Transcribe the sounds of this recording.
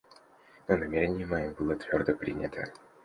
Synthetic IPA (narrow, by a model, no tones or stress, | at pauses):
nənɐmʲeɾʲɪnʲɪjɪmɐjimbɨlˠət̪vʲo̞rd̪əpɾʲḭnʲɪt̪ʰə̰